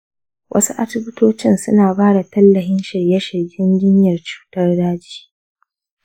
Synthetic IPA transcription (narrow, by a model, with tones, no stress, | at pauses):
wʔɐ̰˦su˦ʔa˦sʊ˦bɪ˦toː˦t͡ʃɪ˦nsʊ̰˦naː˨baː˦da˨tɐ˦lːɐ˨ɦɪ˦nʃɪ˨ɾjɛ˦ʃɪ˨ɡʲɪ˦nd͡ʒɪ˦ɲjɐ˨rt͡ʃu̥ː˦tɐ˦rdaː˦d͡ʒi̥ː˦